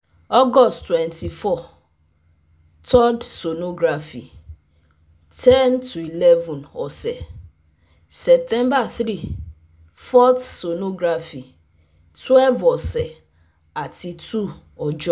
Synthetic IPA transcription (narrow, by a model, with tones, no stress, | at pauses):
ɔ˦ɡɔ˦sttːwɛ̃˨nti˨fɔ˦˨ | tʰɔ˦dso˨no˦ɡɾa˨fi˨ | tʰɛ˦ntʰu˨i˨lɛ˦vũ˨nɔ˨sɛ˨ | sɛ˨p̚tɛ̃˦mba˨θɾi˦˨ | fɔ˦tso˨no˦ɡɾa˨fi˨ | twɛ˦lvɔ˨sɛ˨ | a˨ti˨tʰu˦ | ɔ˨d͡ʒɔ˦